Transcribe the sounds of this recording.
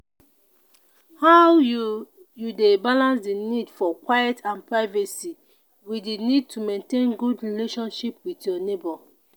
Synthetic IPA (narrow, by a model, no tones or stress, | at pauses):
haj | judebalãnsdinidfɔkwajɛtʰãnpɹaɪvɛsi | widinid̚tʰumẽntẽnɡudɹileʃɔ̃nʃipwitjɔnebɔ